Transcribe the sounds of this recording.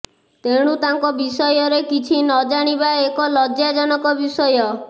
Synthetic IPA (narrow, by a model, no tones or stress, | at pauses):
t̪eɽ̃ut̪aŋkɔbisɔjɔɾekit͡ʃʰinɔd͡ʒaɽ̃ibaekɔlɔd͡ʒjad͡ʒɔnɔkɔbisɔjɔ